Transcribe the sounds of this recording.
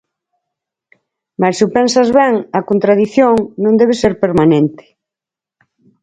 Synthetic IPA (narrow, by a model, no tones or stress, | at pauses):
masupensazβɛŋɐkont̪ɾað̞iθjoŋnõnd̪ɛβ̞eseɾpeɾmanẽnt̪ɪ̥